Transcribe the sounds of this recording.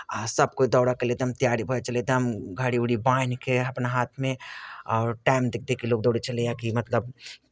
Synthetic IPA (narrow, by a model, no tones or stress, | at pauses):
asəb̚koid̪ɔːɽakeled̪əmt̪ijaːɾibʱəɛt͡ʃəled̪əmɡʱaɽiuɽibaːnkeɐpnaɦaːt̪ʰmẽɔːɾʈaːɪmd̪ɪk̚d̪ekiloːɡ̚d̪ɔːɽet͡ʃəlejakimɐt̪ləb